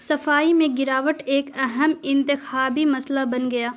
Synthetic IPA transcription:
sɐfaːimẽɡɪɾaːʋəʈeːkɐɦəmɪ̃nt̪ɪxaːbimɐslabɐnɡɐjaː

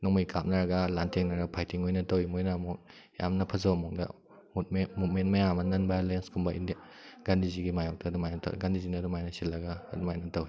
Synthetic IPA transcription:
nɔŋmijkap̚nɐɾɐɡɐlantʰeŋnɐɾɡɐpʰajtiŋojnɐtɐwimojnɐmɔkja̰mnɐpʰɐzɐwɐmɔŋdɐ̰ | mut̚memut̚mentmɐjamɐnɐnbalenskʰumbɐʔḭndiaɡ̥andiziɡimajɔk̚tʰɐːdumajnɐtʰɡandizinɐdumajnɐsilːɐɡa̰ːdumajnɐtɐwi

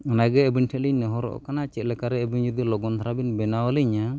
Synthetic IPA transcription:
ɔnajɡɛːbinʈʰɛt̪̚liɲnɔɦɔɾɔ̰ʔɔ̰kanat͡ʃɛt̪̚lɛkaɾɛːbiɲd͡ʒud̪ilɔɡɔnt̪ʰaɾabinbɛnawɔliɲa

